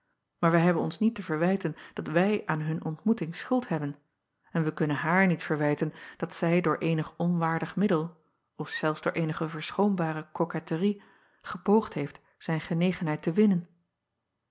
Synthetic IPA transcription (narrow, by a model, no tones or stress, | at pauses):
maːɹʋəɦɛbənɔnsnitəvəɹʋɛjtənd̥ɑtʋɛjʔaːnɦɵnʔɔntmutɪŋsχɵlˠtɦɛbən | ɛnʋəkɵnənɦaːɹnitfəɹʋɛjtənd̥ɑtsɛjdʊːɹʔejnəχɔnʋaːɹdəχmɪdəlˠ | ɔfsɛlˠfzd̥ʊːɹʔejnəχəvəɹsχowmbaːɾəkɔkɛtəri | χəpowχtɦejft | z̥ɛjnχənejχənɦɛjtəʋɪnən